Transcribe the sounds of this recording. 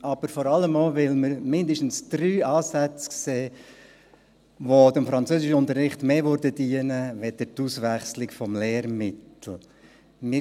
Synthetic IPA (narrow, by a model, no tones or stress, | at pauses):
ʔɑb̥əɾfɔɾɑləmoʋɪlməɾmɪndəʃtn̩sd̥ɾyːɑːsæt͡skseː | ʋodɪmfɾɑnt͡søːsɪʃəʊnt̪əɾːɪχtmeːvøɾdəd̥iənəʋɛdətusʋæχslɪkfɔmleːɾmɪtl̩ | mɪ